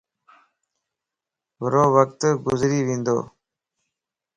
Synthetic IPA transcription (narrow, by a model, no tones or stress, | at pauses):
ʋəɾoːʋək̚t̪ɡʊzɾiːʋĩːnd̪o̰ː